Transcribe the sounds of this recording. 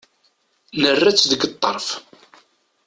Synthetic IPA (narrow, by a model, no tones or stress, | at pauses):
nərːæt͡sːðəɡt̪ˤːɑɾˤf